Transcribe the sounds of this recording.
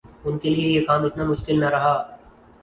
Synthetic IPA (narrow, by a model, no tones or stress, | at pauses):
ʊnkeliejekaːmɪt̪namʊʃkɪlnɐɾɐɦaː